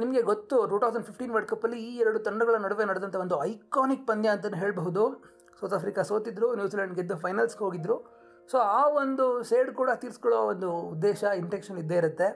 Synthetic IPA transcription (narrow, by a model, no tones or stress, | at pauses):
nimɐɡe̞ɡot̪ːuʈuːʈ̪ʰɐwsɐɳɖpʰipʈiːnʋɐɾʈkɐpːɐlːiiːɛɾɐɽut̪ɐɳɖɐɡɐɭɐnɐɽuʋenɐɽd̪ɐnt̪ʰɐʋond̪uɐjkaːnik̚pɐnd̪jaːnt̪ɐnːuɦe̞ːɭbɐɦud̪u | sɐwt̪ʰaːpʰɾikaso̞ːt̪id̪ɾunjuːsiːlɐɳɖɡed̪ːupʰɐjnɐlsɡɦoːɡid̪ɾu | soːaːʋond̪useːɖkuːɽɐt̪iːɾskɔɭoʋond̪uːd̪ːeːʃɐinʈekʃɐnid̪ːeiɾut̪ːe̞